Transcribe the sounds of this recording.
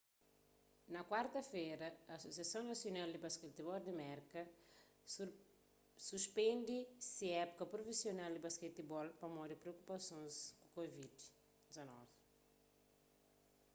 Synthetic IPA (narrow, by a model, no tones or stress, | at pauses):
nɐkwaɾt̪ɐfeɾɐɐːsosiɐsɐ̃w̃nɐsjonald̪ibɐskɛt̪ibɔld̪imɛɾkɐ | suspẽnd̪isiɛpu̥kɐpɾofisjonald̪ibaskɛt̪ibɔlpɐmɔd̪ipɾeokupɐsõzukovid̪ | d̪izɐnɔ̰vi